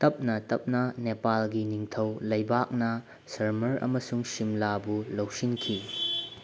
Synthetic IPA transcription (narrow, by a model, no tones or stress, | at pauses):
tɐp̚nɐtɐp̚nɐnepalɡiniŋtʰɐwlɐjbak̚nɐ | sɐɾmɐɾɐ̰mɐsuŋsimlabulɐwsinkʰi